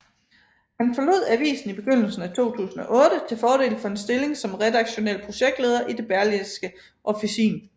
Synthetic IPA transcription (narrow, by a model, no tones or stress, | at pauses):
hænfɒ̽lo̝̰ð̞̰ˠæʋḭːsn̩ib̥e̝ɡ̥øn̰l̩sn̩æt͡sʰo̝̰ːt͡sʰṵːsn̩ɒ̽ʔɔ̽ːɾ̥ət͡sʰe̝lfɒːɾ̥e̝̰ːlfɒ̽e̝nsd̥e̝le̝ŋsɒ̽mʁɛd̥ɑ̈ɡ̥ɕo̝nel̰pʰʁo̝ɕeɡ̥̚d̥le̝ːð̞ˠɐʔid̥e̝b̥æɐliðsɡ̥ə | ʔɒ̽fisḭːn